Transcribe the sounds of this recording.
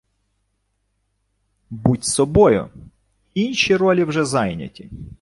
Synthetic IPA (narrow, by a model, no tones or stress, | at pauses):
butʲsɔbɔjʊ̰ | inʲʃiɾɔlʲiwʒɛzɑjnʲɐ̰tʲi